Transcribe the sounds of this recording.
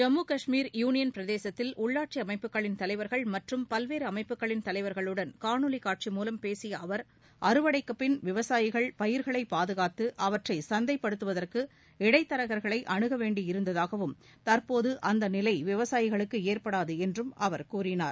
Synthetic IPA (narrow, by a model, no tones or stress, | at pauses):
d͡ʒɐmːuːkɐʂmiːɾjuːnɪjɐnpɪɾɐðeːsɐt̪ːɪlʔʊɭːaːʈ̚t͡ʃiɐmɐɪpːɯkːɐɭɪnt̪ɐlɐɪʋɐɾɣɐɭmɐʈrɯmpɐlʋeːɾɯɐmɐɪpːɯkːɐɭɪnt̪ɐlɐɪʋɐɾɣɐɭɯɽɐnkaːɳɯlɪkːaːʈ̚t͡ʃimuːlɐmpeːsɪjɐɐʋɐɾ | ʔɐɾɯʋɐɽɐɪkːɐpːɪnʋɪʋɐsaːjɪɣɐɭpɐjɪɾɣɐɭɐɪpːaːðɯɣaːt̪ːɯʔɐʋɐʈrɐɪsɐnd̪ɐɪpːɐɽɯt̪ːɯʋɐðɐrkɯ | ɪɽɐɪt̪ːɐɾɐɣɐɾɣɐɭɐɪʔɐɳɯɣɐʋeːɳɖijɪɾɯnd̪ɐðaːɣɐʋɯm | t̪ɐɾpoːðɯʔɐnd̪ɐnɪlɐɪʋɪʋɐsaːjɪɣɐɭɯkːɯeːrpɐɽaːðɯɛndrɯmɐʋɐɾkuːrɪnaːɾ